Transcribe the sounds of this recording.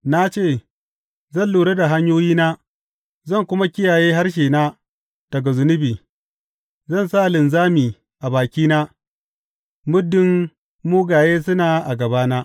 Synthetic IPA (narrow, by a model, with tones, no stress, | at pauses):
na˦t͡ʃeː˦˨ | zɐ˦˨nluː˨ɽe˦da˨ɦa˦ɲjoː˦jiː˦naː˦ | zɐ˦˨ŋkʷʊ˦ma˦kʲɪ˦jaː˨jeː˦ɦa˦rʃ̬eː˨naː˦ | d̥ɐ˨ɡa˨zʊ˨˦nʊ˦biː˨ | zɐ˦˨nsa˦ʔlɪ˨nzaː˦miː˨ | ʔa˨baː˨kʲiː˦naː˦ | mʊ˦dːɪ˦mː | uː˦ɡaː˨jeː˦s̬ʊ˦naː˨ʔa˨ɡɐ˨baː˦naː˦